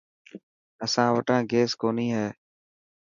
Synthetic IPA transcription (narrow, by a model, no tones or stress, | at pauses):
əsãːʋəʈãːɡeːskoːniːɦɛː